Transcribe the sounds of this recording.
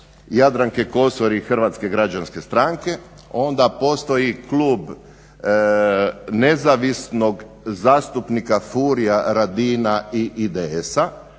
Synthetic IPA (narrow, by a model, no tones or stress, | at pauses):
jad̪ɾaŋkeko̞soɾixr̩ʋat̪ske̞ɡɾad͡ʒanske̞st̪ɾaŋke̞ | o̞nd̪apo̞st̪o̞jikluːb | ne̞zaʋisno̞ɡ | zaːst̪upnikafuɾijaɾad̪iːnaiʔid̪eesa